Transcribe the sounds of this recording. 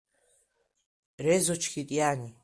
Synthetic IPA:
rɛzɔt͡ʃʰkʲit̪ʼjaːni

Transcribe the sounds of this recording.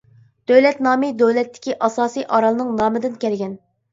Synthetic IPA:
d̪̥øwlɛt̪nɑːmid̪øwlɛt̪ːɪ̥kʲiʔɑsɑːsijʔɑɾɑlˠɨnɨŋnɑːmɨd̪ɪnkʲʰɛlɡʲɛn

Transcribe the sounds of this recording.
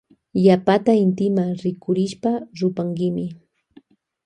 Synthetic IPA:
ʎapat̪aɪnt̪ɪmaŋɾɪkʊɾɪʃpaɾʊpaŋkɪmɪ

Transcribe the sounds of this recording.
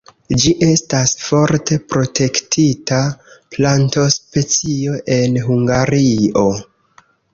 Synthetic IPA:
d͡ʒiʔe̞stasfo̞ɾte̞pɾo̞tʰe̞ktʰitaplanto̞spe̞t͡sio̞ʔe̞nɦuŋɡaɾio̞

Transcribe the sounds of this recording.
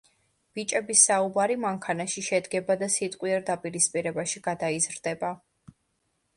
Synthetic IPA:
b̥it͡ʃʼɛbisːaubaɾimaŋkʰanaʃiʃɛd̪ɡɛbad̪asit̪ʼqʼwiɛɾd̪apʼiɾispʼiɾɛbaʃiɡ̥ad̪aizɾd̪ɛba

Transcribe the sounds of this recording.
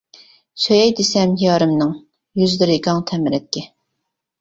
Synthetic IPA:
søjɛjd̪esɛmjɑːɾɨmnɨŋ | jyzd̪ɪɾɪkɑŋt̪ʰɛmɪɾɛt̪̚kʲɛ

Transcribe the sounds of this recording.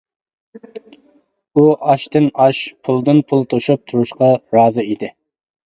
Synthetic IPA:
uʔɑʃt̪ɨnɑʃpʰulˠd̪ɨnpʰulˠt̪ʰoʃup̚t̪ʰuɾuʃqɑɾɑːzɨid̪ɪ

